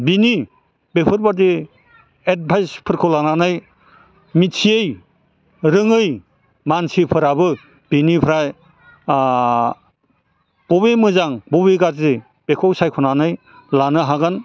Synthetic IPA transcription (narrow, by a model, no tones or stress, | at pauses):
bini | bepʰɯɾbad̬i | et̚bʰʱajspʰɯɾkʰɔlananɯj | mitʰiej | ɾɯŋɯj | mansipʰɯɾabɯ | b̥inipʰɾaj | b̥ɔβemɯzaŋbɔβiɡazi | b̥ekʰɔwsajkʰɔnanɯj | lanɯɦaɡan